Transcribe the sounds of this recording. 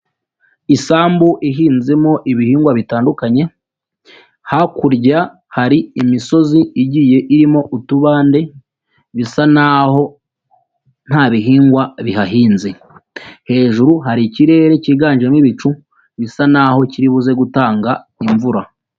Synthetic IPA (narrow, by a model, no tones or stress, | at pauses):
isaːmbuʔiɦiːnzemo̞ʔiβihiːŋɡwaβitaːndukaɲe̞ | hakuɾɟa | haɾiimiso̞ziiɟiːje̞ʔiɾimo̞ʔutuβaːnde̞ | βisanaɦo̞ | n̥haβiɦiːŋɡwaβiɦaɦiːnze | he̞ːʒuɾuɦaɾiciɾe̞ːɾe̞ciɡaːnʒemiβit͡ʃu | βisanaho̞ciɾiβuze̞ɡutaːŋɡa | iɱvuɾa